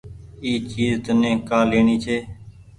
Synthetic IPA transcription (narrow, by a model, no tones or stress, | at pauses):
iːt͡ʃiːzt̪ʊnẽːkaːleːɳiːt͡ʃʰeː